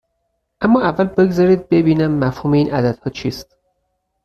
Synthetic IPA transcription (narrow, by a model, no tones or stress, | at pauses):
ʔæmːɒːʔævːælbe̞ɡzɒːɾiːd̪̚be̞biːnæmːæfhuːmeiːnæd̪æd̪̥hɒːt͡ʃʰiːst̪̚